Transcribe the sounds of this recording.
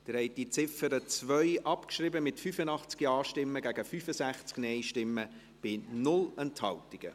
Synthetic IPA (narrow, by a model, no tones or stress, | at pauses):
d̥̪əɾhɛɪtdit͡sɪfəɾət͡svœʏʔɑpkʃrɪbəmɪtfyfənɑχt͡skiɑːʃtɪmːəɡæɡəfyːfəsæχt͡sknɛɪʃtɪmːə | b̥ɪnʊlɛnthɑltiɡ̥ə̰